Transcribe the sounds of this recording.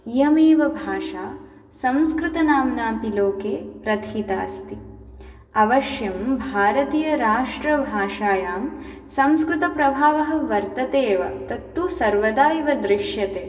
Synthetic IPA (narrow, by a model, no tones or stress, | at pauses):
ijɐmeːʋɐbʱaːʂaː | sɐmskɾɪt̪ɐnaːmnaːpiloːkeːpɾɐt̪ʰiːt̪a̰ːst̪i | ɐʋɐʃjɐmbʱaːɾɐt̪iːjɐɾaːʂʈɾɐbʱaːʂaːjaːm | sɐmskɾɪt̪ɐpɾɐbʱaːʋɐɦɐ̆ʋɐɾt̪ɐt̪eːʋɐ̰t̪ɐt̪ːusɐɾʋɐd̪aːjiʋɐd̪ɾɪʂjɐt̪eː